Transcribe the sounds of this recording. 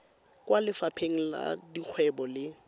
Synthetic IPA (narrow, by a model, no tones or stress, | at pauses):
kwalɪfapʰeŋ̩la̰dik͡xʰwɛbɔlɪ